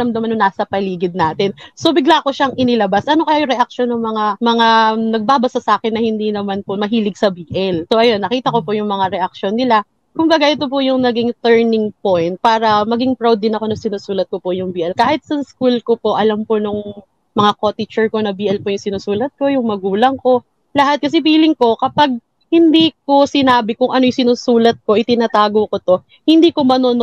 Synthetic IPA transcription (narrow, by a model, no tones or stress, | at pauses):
ɐmd̪ɐmanːʊŋnaːsɐpɐliːɡɪd̪̚naːt̪ɪnso̞bɪɡlaːko̞ʃaŋʔɪnɪlɐbasʔɐno̞kɐjajʊŋɾɛʔɐk̚ʃo̞nːʊŋmɐŋamɐŋanɐɡ̚baːbɐsɐsɐʔaːkɪnːɐhɪnd̪iːnɐmanpomɐɦiːlɪɡ̚sɐbiːʔɛlsoʔɐjo̞nːɐkiːt̪ɐko̞pojʊŋmɐŋaɾɛʔɐk̚ʃonːɪla | kʊmbɐɡaʔɪt̪o̞p̬ʊjʊŋnɐɡɪŋt̪ɛɹnɪŋpojnt̪̚paːɾɐmɐɡɪŋpɹawd̪ːɪnɐko̞nɐsɪnusuːlɐt̪̚kopojʊŋbiːʔɛlkaːhɪt̪̚sɐskulko̞po̞ʔɐlamponʊŋ | mɐŋakot̪ɪt͡ʃɛɹko̞nɐbiːʔɛlpojʊŋsɪnuːsuːlɐt̪̚ko̞jʊŋmɐɡuːlɐŋko̞ | lɐɦat̪̚kɐs̬ɛbiːlɪŋko̞kɐpaɡ̚ | hɪnd̪iːk̚o̞sɪnaːbɪkʊŋʔɐnojʊsɪnusuːlɐt̪̚ko̞ʔɪt̪ɪnat̪aːɡokot̪o̞ | hɪnd̪iːko̞mɐnon